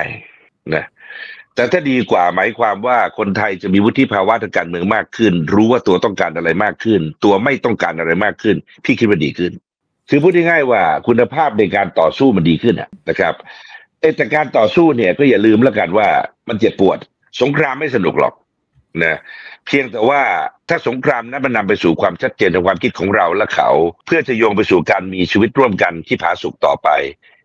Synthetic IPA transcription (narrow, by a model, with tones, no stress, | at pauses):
t͡ɕa˥˧˩j | na˦˥t̪ɛː˨˩t̪ʰaː˥˩diː˧kwaː˨˩maː˩˦jkʰwaː˧mwaː˥˩kʰo˧nt̪ʰa˧jt͡ɕa˨˩miː˧wu˦˥t̪ʰi˦˥˩pʰaː˧wa˦˥t̪ʰa˧ŋkaː˧nmɯ˧əŋmaː˥˩kʰːɯ˥˩nɾuː˦˥waː˥˩t̪u˧ɐt̪ɔ˥˩ŋkaː˧nʔa˧ɾa˧jmaː˥˩kʰːɯ˥˩nt̪u˧ɐma˥˩jt̪ɔ˥˩ŋkaː˧nʔa˧ɾa˧jmaː˥˩kʰːɯ˥˩n | pʰiː˥˩kʰi˦˥t̪̚ma˧˩diː˧kʰɯ˥˩n | kʰɯː˧pʰuː˥˩t̪̚ha˥˩ŋaː˥˩jwaː˥˩kʰu˧nːa˧pʰaː˥˩p̚na˧jkaː˧nt̪ɔ̰ː˨˩suː˥˩ma˧ndiː˧kʰɯ˥˩nʔa̰˨˩na˦˩kʰɾa˦˥p̚ | ʔaː˥˩t̪ɛː˨˩kaː˧nt̪ɔː˨˩suː˥˩ni˥˩ɐkɔː˥˩ja˨˩lɯː˧mlɛ˥˩ka˧nwaː˥˩ma˧nt͡ɕa˨˩pːu˨˩ət̪̚ | so˨˦ŋkʰɾaː˧mːa˥˩jsa˧nu˨˩k̚lɔ̰˨˩k̚ | na˦˥pʰi˧əŋt̪ɛː˨˩waː˥˩t̪ʰaː˥˩so˩˦ŋkʰɾaː˧mna˦˥ma˧nːa˧mpa˧jsuː˨˩kʰwaː˧mt͡ɕʰa˦˥t̪̚t͡ɕeː˧nt̪a˨˦ŋkʰwaː˧mkʰi˦˥t̪̚kʰɔː˩˦ŋɾa˧wlɛ˦˥kʰa̰˨˩wpʰɯ˥˩ɐt͡ɕa˨˩joː˧ŋp̬a˧jsuː˨˩kaː˧nmiː˧t͡ɕʰiː˧wi˦˥t̪̚ɾu˥˩əmka˧nt̪ʰiː˥˩pʰaː˩˦su˨˩k̚t̪ɔ̰ː˨˩pa˧j